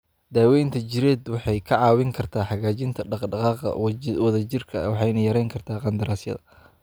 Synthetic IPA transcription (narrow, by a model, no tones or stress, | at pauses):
d̪̥aːwɛjnt̪ʰɐt͡ʃɪɾɛːd̪wɑħɑjkʰɐʕɑːwɪŋkʰɐrt̪ʰaːħɑɣaːt͡ʃɪnt̪ʰɐɖɑqɖɑqɑːqɐ̰wwɐðɐt͡ʃɪrkʰɐ̰wɑħɑjnɐjɐɾɛjŋkʰɐrt̪ʰaːqɑnd̪ɐɾaːsjɐ̰ðɐ